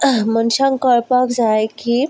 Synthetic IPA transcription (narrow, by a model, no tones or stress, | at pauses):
mənɕãŋkəɭpakd͡zajki